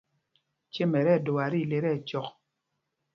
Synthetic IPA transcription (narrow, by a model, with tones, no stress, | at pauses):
t͡ʃe˦mɛ˨ɾɛ˦˨˦do˨a˨ɾi˦˨˦le˨ɾɛ˦˨t͡ʃɔ˨k̚